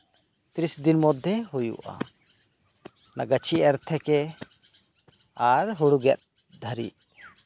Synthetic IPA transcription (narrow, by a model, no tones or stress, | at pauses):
t̪ɾisd̪inmɔd̪ʱjɛɦujṵʔa̰ | naɡət͡ʃʰiʔɛɾt̪ʰɛkɛ | aɾɦuɽuɡɛt̪̚ | d̪ʱəɾḭʔ